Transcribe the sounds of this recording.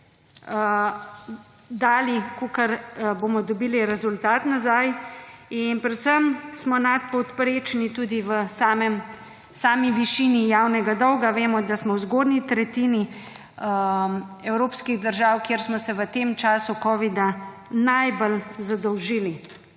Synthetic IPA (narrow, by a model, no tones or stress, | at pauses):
d̪aːlikokəɾboːmɔd̪ɔbiːliɾɛzult̪aːt̪nazajinpɾɛt̪səmsmɔnat̪̚pɔwt̪pɾeːt͡ʃnit̪uːd̪iʋəsamɛm | saːmiʋiʃiːnijaːwnɛɡad̪ɔwɡaʋeːmɔd̪asmɔwzɡoːd̪nit̪ɾɛt̪iːni | ɛwɾoːpskiɣd̪əɾʒaːwkjeːɾsmɔsɛʋət̪eːmt͡ʃaːsukɔːʋid̪a | najbəlzad̪ɔwʒiːli